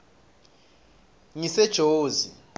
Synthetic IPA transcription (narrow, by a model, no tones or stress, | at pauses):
ŋisɛd̥ʒ̥ʱoːzi